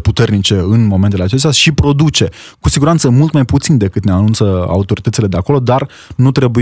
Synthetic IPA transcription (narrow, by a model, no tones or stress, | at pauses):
put̪e̞rnit͡ʃe̞ɨnmo̞ment̪eleat͡ʃe̞st̪jaʃipɾo̞d̪ut͡ʃe̞ | kusiɡuɾant̪səmult̪majput̪sind̪e̞kɨt̪ne̞anunt̪səa̰ut̪o̞ɾit̪ət̪sile̞d̪eako̞lo̞d̪ar | nut̪ɾe̞bu